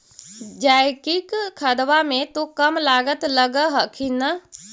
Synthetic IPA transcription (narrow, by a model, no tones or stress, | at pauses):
d͡ʒaːjkikkʰəd̪ʋamẽt̪okɐmlaːɡət̪ləɡəɦəkʰinə